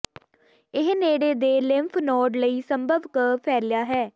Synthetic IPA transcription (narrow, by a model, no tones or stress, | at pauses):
ɪɦneːɽeːd̪eːlɪmpʰnɔːɖləiːsəmbəʋkəpʰɛːljaːɦɛː